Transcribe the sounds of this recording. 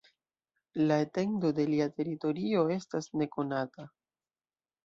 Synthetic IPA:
laete̞ndo̞de̞liate̞ɾito̞ɾio̞e̞stasne̞ko̞nata

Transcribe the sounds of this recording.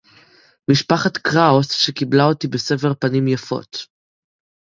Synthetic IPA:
miʃpaχat̪kʁaosʃekiblaotibese̞feʁpanimjafo̞̰t̪

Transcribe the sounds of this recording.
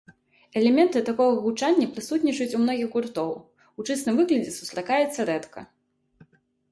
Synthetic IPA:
ɛlʲɛmʲɛnt̪ɨt̪akɔɣɐɣut͡ʂanʲːɐpɾɨsut̪nʲit͡ʂɐjut͡sʲumnɔɣʲiɣɣurt̪ɔw | ut͡ʂɛsnɨmvɨɣlʲɐd͡zʲɛsu̥st̪ɾakajɛt̪sːɐɾɛt̪kɐ̰

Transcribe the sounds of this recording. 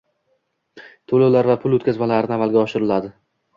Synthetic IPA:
t̪ʰolawlaɾvapʰʊlˠot̪kʲazmalaɾɪnɪamalˠɡʲaɒʃɪɾɪlad̪ɪ

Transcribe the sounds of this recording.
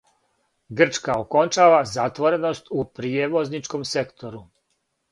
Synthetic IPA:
ɡr̩t͡ʃkaoko̞nt͡ʃaːʋazat̪ʋo̞ɾe̞no̞st̪upɾijeʋo̞znit͡ʃko̞mse̞kt̪o̞ɾu

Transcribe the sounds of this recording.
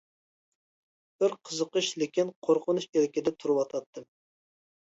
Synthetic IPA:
b̥ɪɾqʰəzəqəʃlɪkʲinqʰoɾqʰʊnuʃeɾɪkʲɪd̪ɛt̪ʰuɾɨwɑt̪ʰɑt̪ʰːɨ

